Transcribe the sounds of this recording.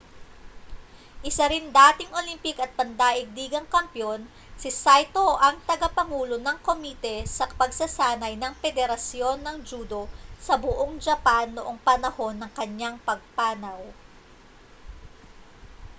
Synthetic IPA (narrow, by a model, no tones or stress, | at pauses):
ʔɪsɐɾɪnd̪aːt̪ɪŋʔo̞limpɪkɐt̪̚pɐnd̪aːʔɪɡ̚liːɡɐŋkɐmpjo̞n | sɪsajt̪o̞ʔɐŋt̪ɐɡɐpɐŋuːlonɐŋko̞mit̪ɛsɐpɐɡsɐsaːnɐjnɐŋfɛd̪ɛɾɐsjo̞nːɐŋd͡ʒuːd̪o̞sɐbʊʔoŋd͡ʒɐpanːoʔo̞ŋpɐnɐho̞nːɐŋkɐɲːaŋpɐɡ̚paːnɐw